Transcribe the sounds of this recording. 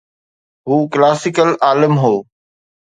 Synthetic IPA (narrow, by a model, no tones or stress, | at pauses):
ɦuːklaːsɪkəlaːlɪmɦoː